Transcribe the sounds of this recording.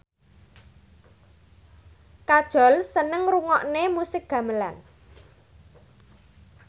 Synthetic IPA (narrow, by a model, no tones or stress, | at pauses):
kad̥ʒ̥ɔ̤lsənəŋruŋɔʔnemusɪk̚ɡ̥ä̤məla̰n